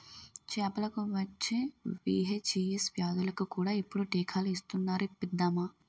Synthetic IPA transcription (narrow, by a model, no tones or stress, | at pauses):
t͡ʃɛːpɐlɐkuʋɐt͡ʃːeːʋḭːɦet͡ʃiesʋjaːd̪ulɐkukuːɽaːipːuɽuʈiːkʰaːluist̪unːaːɾipːid̪ːaːmaː